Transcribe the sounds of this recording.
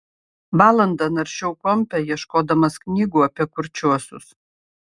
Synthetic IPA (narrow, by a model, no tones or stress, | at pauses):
bɑːlˠɐnd̪ɐnɐɾʲʃʲɛʊkɔmʲpʲɛjiɛʃkoːd̪ɐmɐsknʲiːɡuːɐpʲiɛkʊɾʲt͡ʃʲuɔsʲʊ̰s